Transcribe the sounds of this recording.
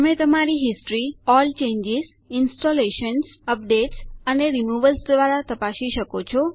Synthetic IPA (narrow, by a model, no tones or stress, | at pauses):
t̪əmet̪əmaɾiɦɪsʈɾiɔlt͡ʃẽɲd͡ʒɪz | ɪnsʈoleʃənsəp̚ɖeʈsəneɾimuʋəlsd̪ʋaɾat̪əpaʃiʃəkot͡ʃʰɔ